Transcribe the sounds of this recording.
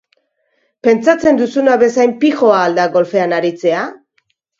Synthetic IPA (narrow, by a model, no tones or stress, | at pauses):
pe̞nt͡sat͡se̞nd̪usunaβe̞sajmpixo̞aːld̪aɡo̞lfe̞anaɾit͡se̞a